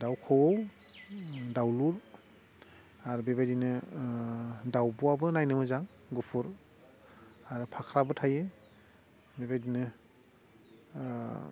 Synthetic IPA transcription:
dawkʰowow | dawluɾ | aɾubebajdinɯ | dawbuabɯnajnɯmɯzaŋ | ɡupʰuɾ | aɾupʰakʰɾabɯtʰajɯ | bebajdinɯ

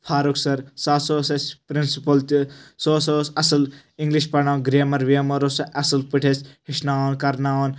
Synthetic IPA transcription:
pʰaːɾuksɐɾsaːsoːsɐspɾinsipɐlt̪isoːsoːsɐsɐl | ĩŋɡliʃpɐnaːwnɡɾeːmɐɾʋiɐmɐɾosɐʔɐsɐlpiʈʰeshiʃnaːwonkɐɾnaːwon

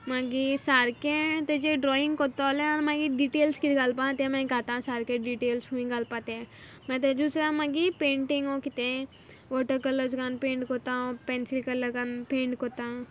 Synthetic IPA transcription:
mãɡisaːɾkẽt̪ed͡ʒeɖɾɔːĩŋɡkot̪alẽanmãɡiɖiʈeːlskit̪ɡalpãt̪ẽmɛ̃ɡat̪ãsaːɾkeɖiʈeːlsɦuĩɡalpat̪e | mɛ̃t̪̬ed͡ʒusãmãɡipẽːɳʈiŋɡõkit̪ẽ | ʋɔːʈəɾkɐləɾzkanpẽːɳʈkot̪ãpɛːnsilkɐləɾkanpẽːɳʈkot̪ã

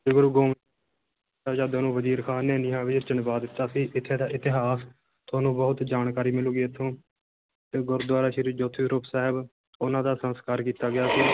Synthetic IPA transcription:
d͡ʒʊɡəɾɡõː | aːd͡ʒaːd̪aːnũːʋəziːɾkʰaːneːnɪːãːʋɪd͡ʒt͡ʃənbaːd̪ɪt̪ːaːsiːʔɪt̪ʰːeːd̪aːʔɪt̪ɪɦaːs | t̪ʰoaːnũːbəɦʊt̪d͡ʒaːnkaːɾiːmɪluːɡiːət̪ʰːõː | t̪eːɡʊɾd̪waːɾaːʃɪɾiːd͡ʒoːt̪ʰːiːɾʊpsaːɦɪb | ʊnãːd̪aːsənskaːɾkiːt̪aːɡɪjaːsiː

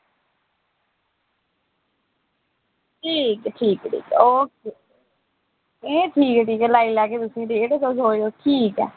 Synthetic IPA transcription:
ʈʰiːkʈʰiːkʈʰḭːkoːkeː | ẽːʈʰiːkːʈiːkɛlaːiːlaːkeːt̪ʊsĩːd̪eːʈːk̪osoːjoːʈʰiːkɛ̰ː

